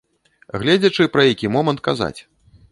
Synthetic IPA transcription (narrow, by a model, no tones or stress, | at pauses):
ɣlʲɛd͡zʲɐt͡ʂɨpɾɐjakʲimɔmɐnt̪̚kaza̰t͡sʲ